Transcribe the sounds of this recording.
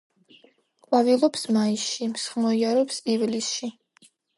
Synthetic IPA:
kʼwavilˠɔpsmaisʃimsχmɔiaɾɔpsivlisʃi

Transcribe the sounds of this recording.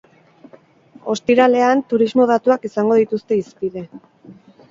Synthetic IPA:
o̞st̪iɾale̞ant̪uɾizmo̞ð̞at̪uakisaŋɡo̞ð̞it̪ust̪e̞ispiðe̞

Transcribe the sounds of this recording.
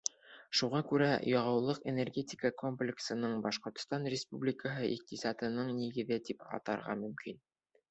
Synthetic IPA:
ʃuʁɑkʉɾæ̰jɑʁɑ̆wlˠɤqḛnerɡʲe̞t̪ʲɪkəko̞mplʲɪksɤ̆nɤɴbɑʃqŏɾt̪̆st̪ɑnrʲɪspublʲɪkəɦɤʔiq̚t̪isɑt̪ɤ̆nɤɴniɡɘ̆ðɘt̪ipɑ̰t̪ɑ̰ɾʁɑ̰mɵ̆mkin

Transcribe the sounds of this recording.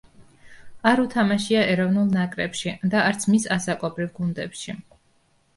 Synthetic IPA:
aɾut̪ʰamaʃiaɛɾɔvnulˠnakʼɾɛpʃid̪aːɾt̪sʰmisasakʼɔbɾivɡund̪ɛpʃi

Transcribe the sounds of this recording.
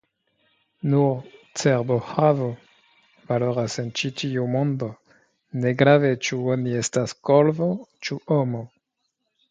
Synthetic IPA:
nuɾt͡seɾbohavo | valo̞ɾase̞nt͡ʃitiumõndo | ne̞ɡɾave̞t͡ʃuonie̞staskolvot͡ʃuʔomo

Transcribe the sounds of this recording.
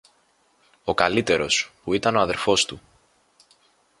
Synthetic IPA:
o̞kɐlit̪e̞ɾo̞spuit̪ɐno̞ɐðe̞ɾfo̞st̪u

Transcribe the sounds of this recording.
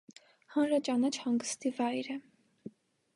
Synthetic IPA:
hɑnɾɑt͡ʃɑnɑt͡ʃʰhɑŋɡəst̪ivɑjɾɛ

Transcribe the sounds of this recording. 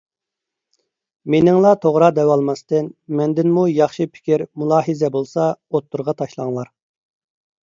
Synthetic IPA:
menɪŋlˠɑt̪ʰoʁɾɑd̪ɛwɑlˠmɑst̪ɨnmɛnd̪ɪnmujɑχʃipʰɪ̥kʲiɾmulˠɑːɦɨzɛbolˠsɑot̪ʰːuɾʁɑt̪ʰɑʃlˠɑŋlˠɑɾ

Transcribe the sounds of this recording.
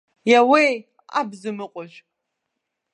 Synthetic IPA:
jawej | a̰bzɨmɨqʷʼʊʒ

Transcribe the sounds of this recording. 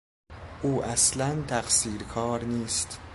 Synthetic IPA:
ʔuːʔæslænt̪ʰæχsiːɾkʰɒːɾniːst̪

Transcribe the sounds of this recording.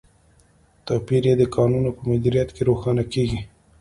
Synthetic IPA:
t̪apiɾjed̪əkɑnunopəmʊd̪iɾijat̪keɾoxɑnakeɡi

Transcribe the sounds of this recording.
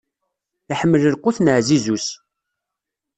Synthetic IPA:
aħəmːələlqʊθnəʕzizus

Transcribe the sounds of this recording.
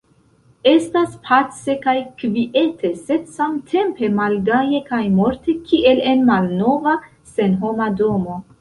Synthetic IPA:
e̞staspʰat͡se̞kajkviʔe̞tʰe̞se̞dsamtʰe̞mpe̞malɡaje̞kajmo̞ɾte̞kʰiʔe̞le̞nmalno̞va | se̞nɦo̞mado̞mo̞

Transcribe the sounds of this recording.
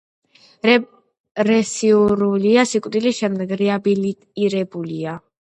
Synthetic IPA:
ɾɛsiuɾuliasikʼd̪iliʃɛmd̪ɛɡɾɛabilit̪ʼiɾɛbulia

